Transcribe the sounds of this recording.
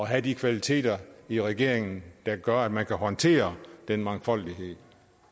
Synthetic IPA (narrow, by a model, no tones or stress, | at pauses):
ɒ̽ɦæd̥ikʰʋælit͡sʰe̝̰ːd̥ɐiʁɛɡ̥e̝ɐ̰eŋn̩d̥ɑ̈ɡ̥ɶɐæd̥mænkʰæɦɒ̽nt͡sʰe̝̰ːɐd̥enmɑ̈ŋfɒ̽l̰d̥iɦe̝ð̰ˠ